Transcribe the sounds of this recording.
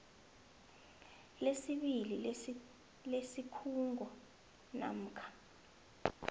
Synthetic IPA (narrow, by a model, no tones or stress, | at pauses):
lesiɓili | lesikʰuŋɡʱɔ | na̰m̩ːkʰḁ